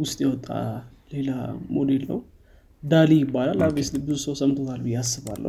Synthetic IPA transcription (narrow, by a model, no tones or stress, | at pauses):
wʊst̪ʼjɛwɔt̪ʼːa̰le̞la̰mod̪e̞lnə̰w | d̪alijɪbːalalːaβeslibɨzusəwsəmt̪ʰo̞t̪ʰalbijasːɨβa̰lːə̰